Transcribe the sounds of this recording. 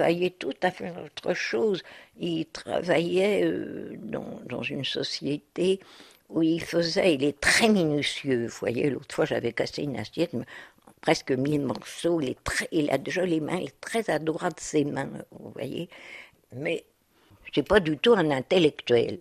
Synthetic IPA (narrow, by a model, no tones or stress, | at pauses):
va̰jɛt̪ut̪afɛot̪χəʃozilt̪χa̰vajɛø̰d̪ɑ̰̃d̪ɑ̃zynsɔsjet̪e | uilfəzɛilɛt̪χɛminysjøvuvwa̰jḛlo̰t̪χəfwaʒavɛkaseyna̰sjɛt̪mɛ | pχɛskəmilmɔʁsoilɛt̪χɛila̰d̪eʒalemɛ̰̃ilɛt̪χɛzad̪ʁwad̪əsemɛ̃vṵvwa̰jḛ | mɛ | sɛpad̪yt̪uɛ̃nɛ̃t̪elɛkt̪ɥɛ̰l